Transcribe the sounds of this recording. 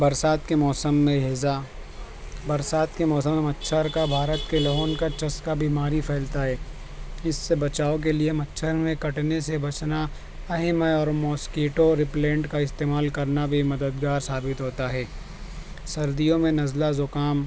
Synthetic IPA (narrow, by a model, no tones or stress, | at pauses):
bɐɾsaːt̪kemɔːsəmːẽɦɪza | bɐɾsaːt̪kemɔːsəmːẽmɐtːʃʰəɾkabʱaːɾət̪kelɔːnkat͡ʃɐskabiːmaːɾipʰɛːlt̪aɦɛː | ɪsːebɐt͡ʃaːok̬eliemɐtːʃʰəɾmẽkɐʈnesebɐt͡ʃna | ɐɦɛmɔːɾmɔːskeːʈoɾɪplẽːɳʈkaɪst̪eːmaːlkɐɾnabʱimɐd̪əd̪ɡaːɾsaːbɪt̪ɦoːt̪aɦɛː | sɐɾd̪ijõmẽnɐzlazʊkaːm